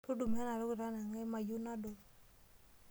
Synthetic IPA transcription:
to˦du˨mɛ˦na˨ɾo˦ɡɾa˦na˨ŋɛ˦ma˨ju˦na˦do˨

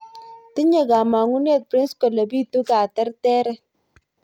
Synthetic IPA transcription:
ti˦ɲɛ˦˨ka˨ma˨ŋu˦ne˦˨t̚pɾi˦nskɔ˨le˨bi˦tu˦ka˨tɛ˦ɾtɛ˦ɾɛ˦

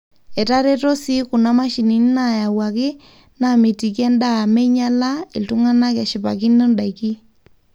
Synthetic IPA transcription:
ɛ˨ta˦ɾɛ˦to˦si˦ku˨na˦ma˦ʃi˨ni˨n˦na˨ja˨wa˨kɪ˦ | na˨mi˨ti˨k̬ɛ˦nda˦˨me˦ɲa˦la˦ɪ˨ltu˦ŋa˦na˦ka˨ʃɪ˨pa˨ki˦nɔ˦nda˨jki˦

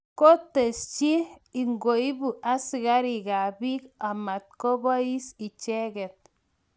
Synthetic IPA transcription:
ko˦te˨st͡ʃi˦i˨ŋɡo˨i˦bu˨ʔa˦si˨ka˦ɾi˨ka˨bi˦ka˨ma˨t̚ko˦bɔ˦i˦si˨t͡ʃɛ˦kɛ˨t̚

